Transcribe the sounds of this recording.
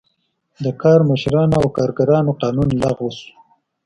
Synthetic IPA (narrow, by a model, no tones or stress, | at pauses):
d̪əkɑːɾməʃɾɑnawkɑːɾɡaɾɑnoqɑːnunlaɣwəsu̥